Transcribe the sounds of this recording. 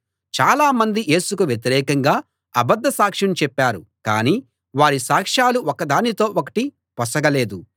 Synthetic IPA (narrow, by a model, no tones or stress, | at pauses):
t͡ʃaːlaːmɐnd̪iʔe̞ːsukuʋjet̪̬iɾɛːkɐŋɡaː | ɐbɐd̪ʱːɐsaːkʂɐnt͡ʃɛpːaːɾukaːniː | ʋaːɾisaːkʂaːluʔokɐd̪aːnit̪o̞ːʔokɐ̥ʈi | pɐsɐɡɐle̞ːd̪u